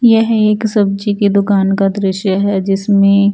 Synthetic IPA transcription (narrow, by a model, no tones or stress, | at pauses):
jɛɦeːksɐb̚d͡ʒikid̪ʊkaːnkad̪ɾɪʃjəɦɛd͡ʒɪsmẽ